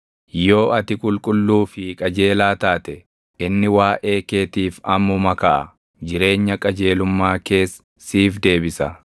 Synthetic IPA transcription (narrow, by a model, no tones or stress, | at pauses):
jo̞ːʔɐt̪ɪkʼʊlkʼʊlːuːfɪkʼɐd͡ʒe̞ːlaːt̪aːt̪ɛ | ɪnːɪwaːʔeːke̞ːt̪iːfɐmʊmɐkɐʔɐ̰ | d͡ʒɪɾe̞ːɲːɐkʼɐd͡ʒe̞ːlʊmːaːke̞ːs | siːfd̪e̞ːbɪsɐ